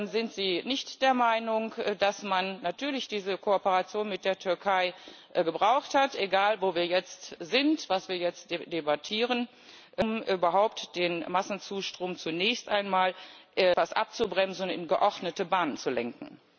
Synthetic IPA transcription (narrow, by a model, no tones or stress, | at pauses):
nzɪntz̥iːnɪçtd̥eːɐmaɪnʊŋkdasmanːatʰyːɐlɪçd̥iːzəkʰoopəʁat͡sjoːnmɪt̚d̥eːɐtʰʏɐkʰaɪ | ʔɡəbʁaʊxthatʔeɡaːlvoːviːɐjɛt͡stz̥ɪntv̥asv̥iːɐjɛt͡st̚d̥ed̥ebatʰiːʁən | ʔmʔyːbɐɦaʊp̚td̥eːnmasn̩t͡suːʃtʁ̥oːmt͡sunɛːçstʔaɪnmaːlʔɛv̥asʔa̰p̚t͡subʁɛmzn̩ɪ̰nɡəʔɔʁdnətəbaːnənt͡sulɛ̰ŋkŋ̩